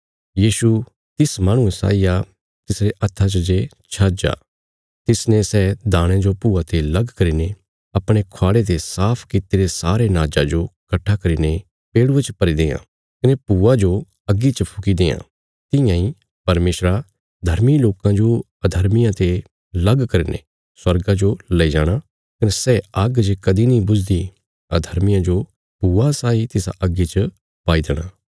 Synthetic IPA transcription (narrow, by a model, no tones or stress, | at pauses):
jiːʃu | t̪ɪsmaːɽ̃ũsa̰ːija | t̪ɪsɾeʔɐt̪ʰːat͡ʃəd͡ʒe | t͡ʃʰɐd͡ʒa̰ː | t̪ɪsnesɛːd̪ãːɽ̃ẽd͡ʒopuːat̪ʰelɐɡkɐɾiːne | ɐpɽ̃ekʰoaːɽet̪esaːpʰkit̪iɾesaːɾenaːd͡ʒad͡ʒokɐʈʰːakɐɾiːne | peːɽuet͡ʃpɐɾid̪eːã̰ | kɐnepuːad͡ʒo | ɐɡːit͡ʃəpʰʊkid̪eːã̰ | t̪ɪ̃jãĩ | pɐɾmeːʃɾa | d̪ʱɐɾmiloːkãd͡ʒo | ɐd̪ʱɐɾmɪjãt̪e | lɐɡkɐɾinḛ | swɐɾɡad͡ʒolɐid͡ʒaːɽ̃a | kɐnesɛɐɡd͡ʒekɐd̪inĩbʊd͡ʒd̪i | ɐd̪ʱɐɾmɪjãd͡ʒo | puːasaːit̪ɪsa̰ʔɐɡːit͡ʃə | paːid̪eɽ̃aː